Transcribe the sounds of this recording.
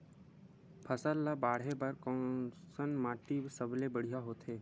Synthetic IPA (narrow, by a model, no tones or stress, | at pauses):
pʰəsəlːabaːɽ̤ebɐɾkɔ̃sənmaːʈibsəblebəɽ̤ijaɦoːt̪ɦeː